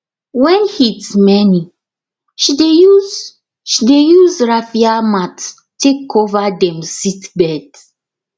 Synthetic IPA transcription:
wɛ̃nhitmɛni | ʃidejuz | ʃidejuzɹafiamat | tekʰovadɛ̃msitbɛd

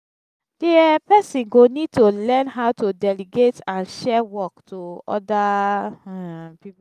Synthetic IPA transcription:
d̥eɛpɛsĩnɡonid̚tolɛ̃nɦaʊtudɛliɡetãnʃɛwɔktʰoɔ̰da | pip

